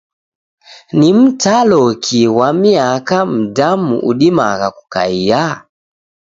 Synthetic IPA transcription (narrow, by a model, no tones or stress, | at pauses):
nim̩talɔkʰiwamiakam̩damṵʔṵɗima̰ɣaku̥ka̰ija